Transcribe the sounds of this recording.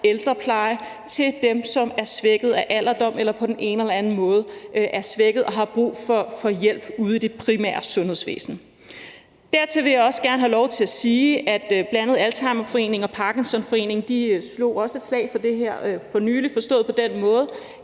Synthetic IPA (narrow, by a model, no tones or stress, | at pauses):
eld̥ʁɐpʰlɑ̈ɪə | t͡sʰe̝ld̥emsɒ̽mæɐsʋeɡ̥ð̩ˠæʔæl̰ɐd̥ɒ̽m̰elɐpʰɒ̽d̥ene̝ːnəelɐænn̩mɔ̽ːð̞̩ˠʔæɐsʋeɡ̥ð̩ˠɒ̽ɦɑ̈b̥ʁṵːfɒfɒ̽jel̰b̥uð̞̩ˠd̥e̝pʰʁimæ̰ːɐsɔ̽nhe̝ð̰ˠsʋḛːsn̩ | d̥æɐt͡sʰe̝ʋe̝jɑ̈ɒ̽səɡ̥æɐnəɦælɒʊt͡sʰe̝læsiːæd̥b̥lænəð̞̩ˠælt͡sʰɑ̈ɪmɐfɒ̽e̝̰ːne̝ŋɒ̽pʰɑ̈ɡ̥ensɒ̽nfɒ̽e̝̰ːne̝ŋd̥islo̝̰ːɒ̽səe̝d̥slɛ̰ɪfɒ̽d̥e̝ɦeɐ̰fɒ̽ny̰ːlifɒ̽sd̥ɔ̰̽ːð̩ˠpʰɒ̽d̥en̰mɔ̽ːð̞̩ˠ